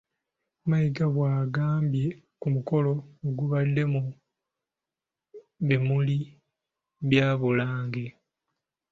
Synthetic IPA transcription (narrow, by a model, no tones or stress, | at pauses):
majiɡaβwaːɡaːmbje̞ | kumuko̞lo̞oɡuβadːe̞mu | βemuli | βjaːβulaːŋɡe̞